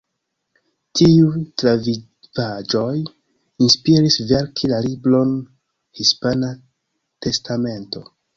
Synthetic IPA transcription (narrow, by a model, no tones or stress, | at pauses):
tʰiutlavi | vad͡ʒo̞j | inspiɾisve̞ɾkʰilaliblo̞n | hispana | te̞stʰame̞nto̞